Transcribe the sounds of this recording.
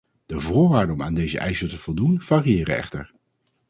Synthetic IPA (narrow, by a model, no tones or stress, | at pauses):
d̥əvʊːɹʋaːɹdəɔmaːndejzə̰ʔɛjzəɹtəvɔlˠdunv̥aːriɪːɾəɛ̰χtə̰ɹ